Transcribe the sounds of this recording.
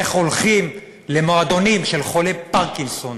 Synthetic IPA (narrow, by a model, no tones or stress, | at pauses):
eχolχim | le̞moad̪o̞nimʃelχolepaʁkinson